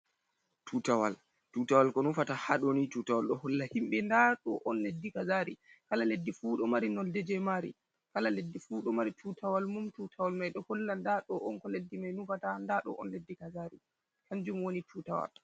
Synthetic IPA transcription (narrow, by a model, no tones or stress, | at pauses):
tʰuːtawa̰l | tutawalkɔnufatahaɗonitutawalɗɔhɔlːahimɓɛndaɗɔʔɔnledːikazaɾikalaledːifuːɗɔmaɾinɔldɛd͡ʒɛmaɾḭ | kalaledːifuːɗɔmaɾitʰutawalmumtutʰawalmajɗɔhɔlːandaɗɔʔɔnkɔledːimajnufatandaɗɔ̰ʔɔ̰nledːikazaɾḭ | kaɲd͡ʒumwonitʰuːtawa̰l